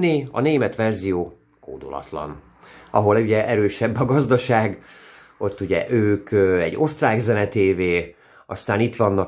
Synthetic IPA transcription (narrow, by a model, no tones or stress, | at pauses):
iɒ̰neːmɛt̪ʋɛrzijoː | ko̰ːd̪o̰lɒ̰t̪lɒ̰n | ɒɦo̞luɟɛʔɛɾøːʃɛbːɒɡɒzd̪ɒʃaːɡ | o̞t̪ːuɟɛ̰ʔøːkɛ̰ɟːo̞st̪raːɡzɛnɛt̪eːveː | ɒst̪aːnit̪ʋɒnːɒ